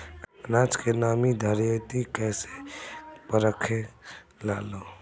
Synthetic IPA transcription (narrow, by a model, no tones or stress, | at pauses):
naːt͡ʃkenaːmid̪ʱəɾjot̪ikɛːse | pəɾəkʰːelaːloː